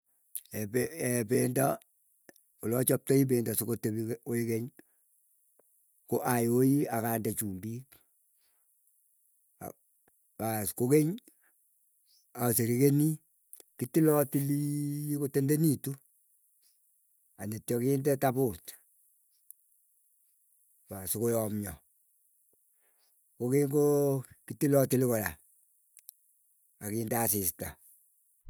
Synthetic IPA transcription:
ɛpɛɛpenda | olɔt͡ʃɔp̚tɔib̬endasukotebioikeɲ | koʔajojiakandat͡ʃuːmbik | paskokeɲ | aseɾikeni | kitilɔtilikotendenitu | anetjɔkindɛtabut | pasukojɔmɲɔ | kokeŋkokitilɔtilikɔja̰ | akiːndasɪsta̰

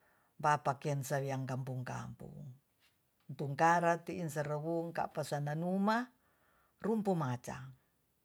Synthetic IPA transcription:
bapakɛnsaβiaŋkampuŋka̰mpṵŋ | nt̪uŋkaɾat̪iinsaɾəβuŋka̰ʔpasananuma | rumpumat͡ʃa̰

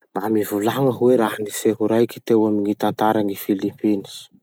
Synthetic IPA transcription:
mamivulaɦaŋəɦuweɾahaniseɦuɾajkʲi̥t̪ewamiɲit̪ant̪aɾaŋifilimpinis

